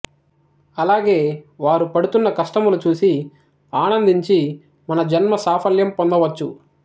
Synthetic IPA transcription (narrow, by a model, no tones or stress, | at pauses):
ɐlaːɡe̞ːʋaːɾupɐɽut̪unːɐkɐʂʈɐmulut͡ʃuːsi | aːnɐnd̪iɲt͡ʃi | mɐnɐd͡ʒɐnmɐsaːpʰɐljɐmpond̪ɐʋɐt͡ʃːu